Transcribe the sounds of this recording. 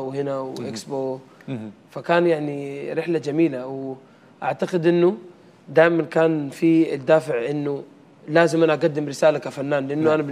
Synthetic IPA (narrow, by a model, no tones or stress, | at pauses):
whɪnawʔeksboː | fakaːnjaʕniɾɪħlad͡ʒamiːlaw | ʔa̰ʕt̪aqɪd̪ʔɪnːu | d̪aːjmankaːnfiɪd̪ːaːfɪʕʔɪnːu | laːzɪmʔanaʔaɡad̪ːɪmɾɪsaːlakafanːaːnlɪʔanːuʔanabɪ